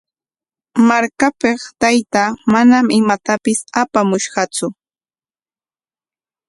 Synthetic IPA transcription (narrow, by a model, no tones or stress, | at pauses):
maɾkapeχt̪ajt̪aːmanamɪmat̪apɪsapamʊʃɢɑt͡sʊ